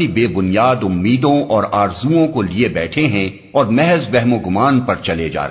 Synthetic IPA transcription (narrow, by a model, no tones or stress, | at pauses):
ibeːbʊnjaːd̪ʊmːiːd̪õɔːɾaːɾzuõkoliebɛːʈʰeɦɛ̃ | ɔːɾmɛɦɛzbɛɦmõɡʊmaːnpɐɾt͡ʃɐled͡ʒa̰ːɾ